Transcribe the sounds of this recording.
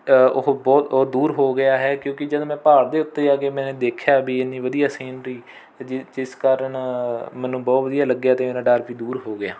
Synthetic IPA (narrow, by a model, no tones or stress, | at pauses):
oɦbɔːt̪oːd̪uːɾɦoːɡɪjaːɦɛːkjõːkɪd͡ʒəd̪̃ːmɛ̃ːpaːɽd̪eːʊt̪ːeːaːɡeːmɛ̃ːnẽːd̪eːkʰjaːbiːɪniːʋəd̪ijaːseːnɾəiː | d͡ʒd͡ʒɪskaːɾəɳmɛnːũːbɔːt̪ʋəd̪ijaːləɡjaːt̪eːmeːɾãːɖaːɾpiːd̪uːɾɦoːɡɪjaː